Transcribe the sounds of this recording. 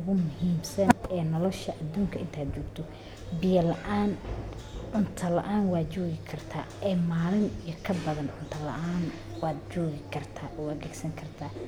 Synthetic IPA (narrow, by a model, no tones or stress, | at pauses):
ʊɣʊmʊhiːmsɐnɛːnɔlɔʃɐʔɐd̪uːŋkʰɐɪnt̪ʰaːd̪t͡ʃɔːɡt̪ʰɔ | bɪjɐlɐʔaːn | ʔʊnt̪ʰɐlɐ̰ʔaːnwɑːd̪t͡ʃɔːɣɪkʰɐrt̪ʰa̰ːɛːmaːlɪnijɐkʰɐbɐðɐnʔʊnt̪ʰɐlɐ̰ʔaːn | wɑːd̪t͡ʃɔːɣɪkʰɐrt̪ʰaːʔwɑːd̪̚ɡɛɡsɐŋkʰɐrt̪ʰaː